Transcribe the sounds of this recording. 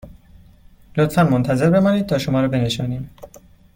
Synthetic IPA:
lot̪fænmont̪ʰæze̞ɾbe̞mɒːnid̪̚t̪ʰɒːʃo̞mɒːɾɒːbe̞ne̞ʃɒːniːm

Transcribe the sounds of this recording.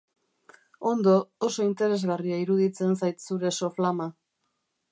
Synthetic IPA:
o̞nd̪o̞ːso̞int̪e̞ɾe̞zɣariaiɾuðit͡se̞nsajt̪suɾe̞so̞flama

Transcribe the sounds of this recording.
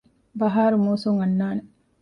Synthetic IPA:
bɐɦaːɾumuːsuŋɐnːaːne

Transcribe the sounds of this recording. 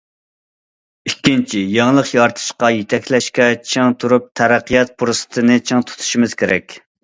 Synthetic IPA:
ikʲːint͡ʃʰijɑŋlˠəqjɑɾt̪ʰɨ̥ʃqɑjet̪ʰɛkʲlɛʃkʲɛt͡ʃʰeŋt̪ʰuɾup̚t̪ʰæɾæqːijɑt̪̚pʰuɾsɨ̥t̪ʰɨnɨt͡ʃʰɨŋt̪ʰu̥t̪ʰu̥ʃimɨz̥kʲʰeɾɛkʲ

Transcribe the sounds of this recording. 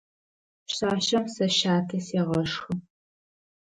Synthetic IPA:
ɕaːʃɐmsɐʃaːtʰɐseʁɐʂxɨ

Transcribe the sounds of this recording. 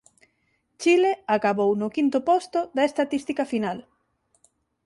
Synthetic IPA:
t͡ʃileakaβownʊkint̪ʊpɔst̪ʊðɐest̪at̪ist̪ikɐfinal

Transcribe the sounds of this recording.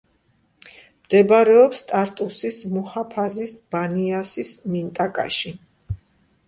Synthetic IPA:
md̪̥ɛbaɾɛɔpst̪ʼaɾt̪ʼusismuhapʰazisb̥aniasismint̪ʼakʼa̰ʃi

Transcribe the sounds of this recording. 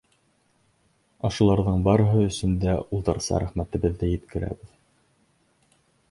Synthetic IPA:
ɑʃɤ̆lˠɑɾðɤɴbɑɾɤɦɤ̆ɵ̆sɵ̆nd̪æulˠt̪ɤ̆ɾsɑ̰ɾæχmæt̪ɘ̆βɘ̆ðːɘjɘ̆t̪kɘ̆ɾæ̰βɘð

